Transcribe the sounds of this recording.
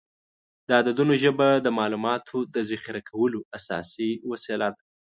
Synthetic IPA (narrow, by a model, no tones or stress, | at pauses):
d̪ɑd̪ad̪unoʒəbad̪əmɑlumɑt̪ʰod̪əzaxɪɾakʰawəloasɑ̰siwaselad̪a